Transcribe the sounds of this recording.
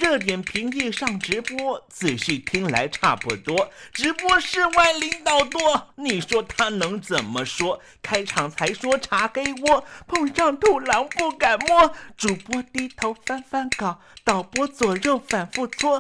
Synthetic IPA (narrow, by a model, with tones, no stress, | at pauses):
ɻɤ˥˩t̪̬jɛ˨˩npʰi˧˥ŋi˥˧ʂɑ˥˩ŋʈ͡ʂɻ̩˧˥pwɔ˥t͡sʰɹ̩˨˩ɕy˥˩t̪ʰi˥ŋla̰˧˥ɪʈ͡ʂʰa̰˥˧pu˥˩t̪wɔ˥ʈ͡ʂɻ̩˧˥pwɔ˥ʂɻ̩˥˧wa˥˩ɪli˧˥ŋt̪ɑ˨˩ʊt̪wɔ˥ni˨˩ʂwɔ˥t̪ʰa˥nɤ˧˥ŋt͡sə˨˩nmə˦ʂwɔ˥ | kʰa˥ɪʈ͡ʂʰɑ˨˩ŋt͡sʰa˧˥ɪʂwɔ˥ʈ͡ʂʰa˧˥ke˥ɪwwɔ˥pʰʊ˥˧ŋʂɑ˥˧ŋt̪ʰu˥˩la˧˥ŋpu˥˩ka˨˩nmwɔ˥ʈ͡ʂu˨˩pwɔ˥t̪i˥t̪ʰo˧˥ʊfa˥nfa˥nkɑ˨˩˦ʊt̪ɑ˨˩ʊpwɔ˥t͡swɔ˨˩jo˥˩ʊfa˨˩nfu˥˩t͡sʰwɔ˥